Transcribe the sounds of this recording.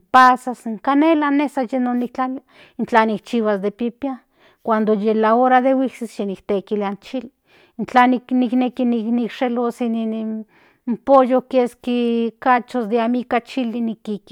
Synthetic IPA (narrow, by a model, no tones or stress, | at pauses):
pasasŋkanelanesajenonik̚t͡ɬalia | int͡ɬanik̚t͡ʃiwasd̪epipia | kʷand̪ojelaoɾaðewiksisʃenikt̪ekiliant͡ʃili | nt͡ɬanikniknekiniknikʃelosinin | mpojokeskikat͡ʃosd̪eamikat͡ʃilinikiki